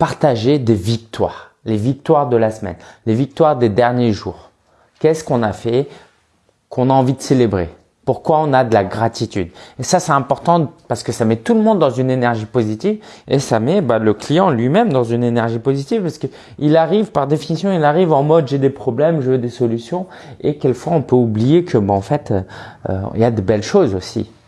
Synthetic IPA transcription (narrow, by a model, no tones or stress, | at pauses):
paʁt̪aʒed̪evik̚t̪wa̰ːʁ | levik̚t̪waʁd̪əlasmɛ̰nlevik̚t̪waʁd̪ed̪ɛʁnjeʒuːʁ | kʲɛskɔ̃nafɛ | kʰɔ̃naɑ̃vid̪əselebʁḛ | puʁkwaɔ̃nad̪əlaɡʁat̪it̪y̰d̪esasɛɛ̃pɔʁt̪ɑ̃paʁsə̥kəsamɛt̪uləmɔ̃d̪ːɑ̃zynenɛʁʒipozit̪ivḛsamɛbaləklijɑ̃lɥimɛmd̪ɑ̃zynenɛʁʒipozit̪ivpaʁsə̥kə | ilaʁivpaʁd̪efinisjɔ̃ilaʁivɑ̃mɔd̪ʒed̪epχɔblɛmʒəvd̪esɔlysjɔ̃ | ekʲɛlkfwaɔ̃pøublijekʰəbɛɑ̃fɛt̪ø̰ | ḭljad̪əbɛlʃozosḭ